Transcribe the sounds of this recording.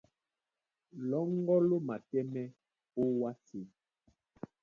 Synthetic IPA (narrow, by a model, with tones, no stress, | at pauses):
lɔ˦ŋ˦ɡɔ˦lo˦ma˨tɛ˦mɛ˦ | o˦wa˦si˨